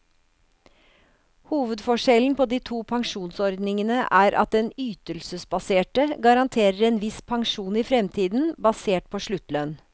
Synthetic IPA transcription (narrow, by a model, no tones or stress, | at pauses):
huːʋəd̪fɔʂɛln̩pʰoːd̪iːt̪ʰuːpʰɑŋʂuːnsɔɾd̪nɪŋənəʔæːɾʔɑ̰t̪̚d̪ɛnyːt̪əlsəsbɑseːʈəɡɑɾɑnt̪ʰeːɾəɾeːnʋɪspʰɑŋʂuːniːfɾɛmt̪ʰiːd̪n̩bɑseːʈ̚pʰoːʂɭʉt̪lœn